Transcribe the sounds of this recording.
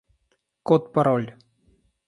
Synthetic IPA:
kɔt̪paɾɔlʲ

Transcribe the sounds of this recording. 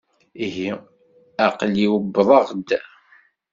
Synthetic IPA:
iɦi | æqliwəbːðˤɑʁd̪

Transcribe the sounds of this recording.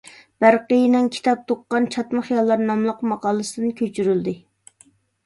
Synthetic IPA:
b̥æɾqəjinɪnkʲʰi̥t̪ʰɑp̚t̪ʰoqːɑnt͡ʃʰɑt̪məχijɑlˠːɑɾnɑmlˠəqmɑqɑːlˠɨsɨd̪ɨnkʲʰøt͡ʃʰyɾyld̪ɪ

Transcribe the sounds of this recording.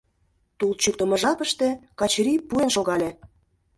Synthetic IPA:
t̪ulˠt͡ɕuk̚t̪ə̆mə̆ʒɑpə̆ʃt̪ĕkɑt͡ɕɾipuenʃoɣɑlʲe

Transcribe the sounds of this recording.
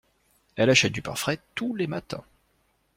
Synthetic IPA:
ɛlaʃɛt̪̚d̪ypa̰ʁfχɛt̪ulemat̪ʰɛ̰̃

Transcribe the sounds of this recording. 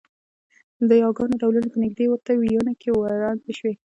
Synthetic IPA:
d̪əjɑɡɑnoɖawlanopənɪɡd̪ewəɾt̪awijənakʰewaɾɑneʃwe

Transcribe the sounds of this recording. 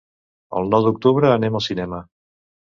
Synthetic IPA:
ə̰lˠnɔwd̪uk̚t̪uβɾəːneməlˠsinɛmə

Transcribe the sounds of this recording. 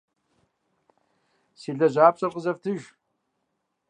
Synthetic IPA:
siːɮɐʑʷaːpɕʼɐrqəzɐftʰɨʒ

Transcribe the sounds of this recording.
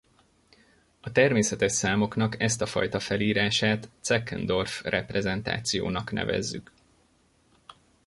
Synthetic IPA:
ɒt̪ɛrmeːsɛt̪ɛʃsaːmo̞kn̪ɒkɛst̪ɒfɒ̰jt̪ɒfɛliːɾaːʃaːt̪sɛkːɛ̰nd̪o̞rfrʔɛprɛzɛnt̪a̰ːt̪sijo̰ːnɒknʔɛ̰vɛ̰zːy̰k

